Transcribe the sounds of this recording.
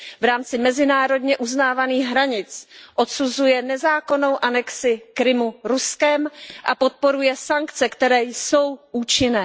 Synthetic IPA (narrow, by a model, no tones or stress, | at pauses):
vɾaːmt͡sɪmɛzɪnaːɾo̞dɲɛʔuznaːvaniːɣɦɾaɲɪt͡sʔo̞t̪suzujɛnɛzaːko̞no̞wʔanɛksɪkɾɪmuɾuskɛmʔapo̞t̪̚po̞ɾujɛsaŋkt͡sɛkt̪ɛɾɛːjso̞wʔuːt͡ʃɪnɛː